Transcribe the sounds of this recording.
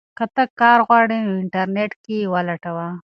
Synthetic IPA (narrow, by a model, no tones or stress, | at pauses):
kɐt̪ɐkaːɾɣwaːɽeɪɳʈɐɾneʈkiwalɐʈɐwa